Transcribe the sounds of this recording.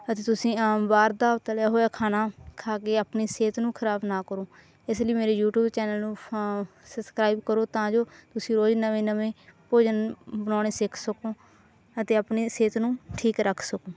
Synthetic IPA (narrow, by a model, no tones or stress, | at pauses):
ət̪eːt̪ʊsĩːbaːɾd̪aːt̪ːlaːɦoːjaːkʰaːnaːkʰaːkeːaːpniːseːt̪nũːkʰəɾaːbnaːkəɾoː | ɪsləiːmeːɾeːjuːʈuːbt͡ʃɛːnəlnũː | səbskɾaːibkəɾoːt̪ãːd͡ʒoːt̪ʊsĩːɾoːd͡ʒnəʋẽːnəʋẽːpoːd͡ʒənbənaːneːsɪkʰsəkoː | ət̪eːapneːseːt̪nũːʈʰiːkɾəkʰsəkoː